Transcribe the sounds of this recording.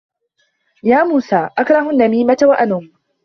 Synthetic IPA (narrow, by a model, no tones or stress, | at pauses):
jaːmuːsaːʔakɾˤɑɦʊnːamiːmatawaʔanʊm